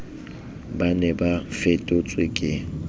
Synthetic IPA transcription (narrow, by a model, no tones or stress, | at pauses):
banɛbafetʼot͡sʼwekʼɪ